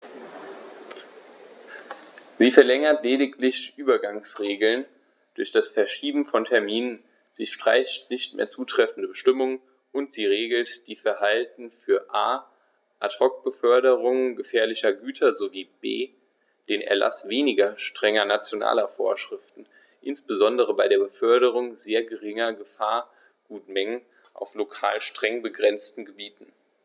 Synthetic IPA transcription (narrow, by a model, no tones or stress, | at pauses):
z̥iːfɛɐlɛŋɐtleːdɪk̚tlɪçʔyːbɐɡaŋsʁeːɡl̩n | d̥ʊɐçd̥asfɛɐʃiːbm̩fɔntʰɛɐmiːnən | z̥iːʃtʁ̥a̰ɪçtnɪçtmʔḛːɐt͡suːtʁ̥ɛfn̩dəbəʃtɪmʊŋən | ʔʊntz̥iːʁeːɡl̩td̥iːfɛɐɦaltn̩fyːɐʔaː | ʔatʰɔk̚b̥əfœɐɾəʁʊŋənɡəfɛːɐlɪçɐɡyːtʰɐzoviːb̥ḛː | d̥eːnʔɛ̰ɐlʔa̰sv̥eːnɪɡɐʃtʁ̥ɛŋɐnat͡sjona̰ːlɐfoːɐʃʁ̥ɪftn̩ | ʔɪnsb̥əzɔndəʁəbaɪɾeːɐbəfœɐɾəʁʊŋzeːɐɡəʁɪŋɐɡəfaːɐ | ɡ̥uːtmɛŋən | ʔa̰ʊflokʰa̰ːlʃtʁ̥ɛŋbəɡʁɛnt͡stn̩ɡəbiːtn̩